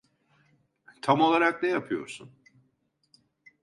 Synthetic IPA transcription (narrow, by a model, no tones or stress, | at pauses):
t̪ʰamo̞lˠaɾaknɛjapʰɯjo̞̰ɾsun